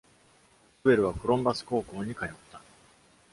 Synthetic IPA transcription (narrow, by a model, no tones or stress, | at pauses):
ɯbe̞ɾɯ̟β̞akɯ̟ɾõ̞mbasɨ̥ko̞ːko̞ːɲ̟ikajot̪ːḁ